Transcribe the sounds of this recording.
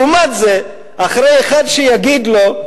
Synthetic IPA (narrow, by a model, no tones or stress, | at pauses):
umat̪ze | aχɾejeχadʃejaɡid̪lo̞